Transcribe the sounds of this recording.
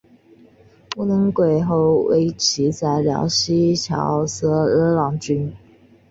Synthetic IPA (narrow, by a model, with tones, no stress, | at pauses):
pu˥˧nɤ˧˥ŋkwe˨˩ɪxo˥˩ʊwḛ˧˥ɪt͡ɕʰi˧˥t͡sa˧˩ɪljɑ̰˧˥ʊɕi˥t͡ɕʰjɑ̰˧˥ʊsɤ˥ə˧˥lɑ˧˥ŋt͡ɕy˥n